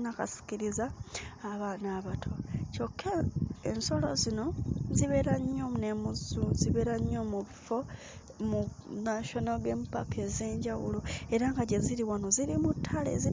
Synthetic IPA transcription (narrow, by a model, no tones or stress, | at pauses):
naka̰si̥ciɾizaːβaːnaβatʰo̞co̞kʰːeḛnso̞lo̰zino̞ziβe̞ɾaɲːo̞mune̞muzuziβe̞ɾaɲːo̞muβifo̞ | munaʃo̞noɡe̞ːmpa̰kʰe̞ze̞ːɲɟawṵlo̞e̞ɾaŋɡaɟeziɾiwano̞ziɾimutʰːalḛzi